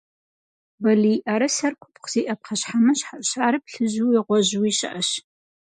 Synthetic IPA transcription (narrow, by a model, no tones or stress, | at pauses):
bɐliːʔɐɾɐsɐrkʷʰʊ̥pʰqz̥iːʔɐp̚qʰɐɕħamɐɕħaɕaːɾɨp̚ɬɨʑuːiʁʷɔʑwiːɕɪ̰ʔɐɕ